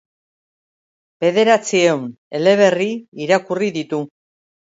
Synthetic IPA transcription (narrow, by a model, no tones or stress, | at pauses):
be̞ð̞e̞ɾat͡siewn | e̞le̞β̞e̞riiɾakuriðit̪u